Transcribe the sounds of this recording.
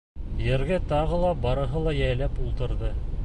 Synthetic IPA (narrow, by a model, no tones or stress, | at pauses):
jɘ̆ɾɡæt̪ɑʁɤlˠɑbɑɾɤ̆ɦɤlˠɑjæjlæpulˠt̪ɤ̆ɾðɤ